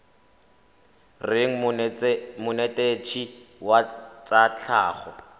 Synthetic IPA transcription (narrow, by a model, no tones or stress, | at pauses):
rɪŋ̩ | mʊnetʼet͡ʃʰiwat͡sʼat͡ɬʰaːχɔ